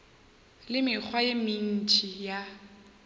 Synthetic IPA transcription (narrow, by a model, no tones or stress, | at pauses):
lɪmɪk͡xʰwajemin̩t͡ʃʼija